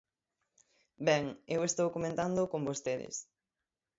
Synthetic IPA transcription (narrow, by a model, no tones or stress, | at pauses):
bɛŋewest̪owkomẽnt̪and̪ʊkombost̪eðɪ̰s